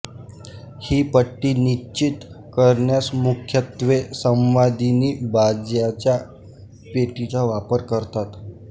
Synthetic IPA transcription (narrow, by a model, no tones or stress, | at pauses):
hiːpəʈːiːnit͡ɕit̪ | kəɾɳjasmukʰjət̪ʋesə̃mʋad̪ʱiniːbad͡zjat͡ɕja | peʈit͡saʋapəɾkəɾt̪at̪